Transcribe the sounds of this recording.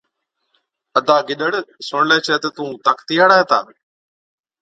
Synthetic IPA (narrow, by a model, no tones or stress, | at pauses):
əd̪aːɡɪɗəɽsʊɳ̃leːt͡ʃʰɛːt̪ət̪ũːt̪əkt̪ijaːɽaːeːt̪a̰ː